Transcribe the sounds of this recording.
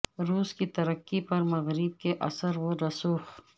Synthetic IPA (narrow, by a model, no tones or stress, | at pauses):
ɾuːskit̪ɐɾəkːipɐɾmɐɣɾib̚keʔɐ̰səɾwoɾɐsuːx